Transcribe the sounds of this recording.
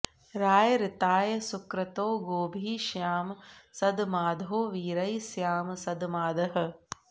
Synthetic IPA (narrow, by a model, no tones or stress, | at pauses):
ɾaːjɐɾɪt̪aːjɐsukɾɐt̪oːɡoːbʱiːʃjaːmsɐd̪maːd̪ʱoːʋiːɾɐjsjaːmsɐd̪maːd̪ɐɦɐ̆